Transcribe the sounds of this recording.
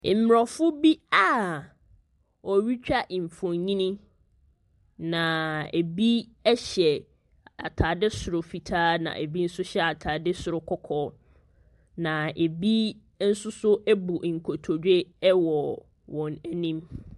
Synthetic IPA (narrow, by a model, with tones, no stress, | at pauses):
m̩˦m˨ɾɔ˨fʊ˦bi˦a˦˨ | ɔ˨ɥi˦t͡ɕᶣa˦ʔi˨m̩˨fɔ̃˨ɲɲĩ˦nĩ˦ | nã˨e˨bi˦ɛ˦ɕɛ˨ | a̰˨tʰaː˨dɪ˦sʊ˨ɾʊ˨fi˨tʰaː˦nã̰˨ʔe˨bi˦n̩˦sʊ˦ɕɛ˦a˨tʰaː˨dɪ˦sʊ˨ɾʊ˦kʰɔ˦kʰɔː˦ | nã˨e˨bi˦ | n̩˦sʊ˦sʊ˦ɛ˦bu˨ŋ̩˨kʰo˨tʰo˨dᶣe˦wɔ˨ | wɔ̃˨nɛ˨nĩ˦m